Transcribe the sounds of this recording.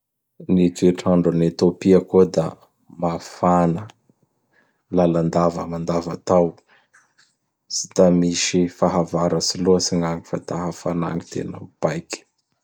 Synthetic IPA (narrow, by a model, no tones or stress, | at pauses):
nit̪eʈ͡ʂaɳɖ͡ʐanet̪opiəkod̪a | mafanə | laland̪avə̰mand̪avat̪aw | si̥d̪̥amiʃifaɦavaɾəsiluəsiŋaŋifat̪aɦəfana̰ŋit̪ḛna̰b̥ajki̥